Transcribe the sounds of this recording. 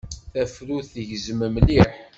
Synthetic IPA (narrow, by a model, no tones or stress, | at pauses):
θæfɾuθəʝzməmliħ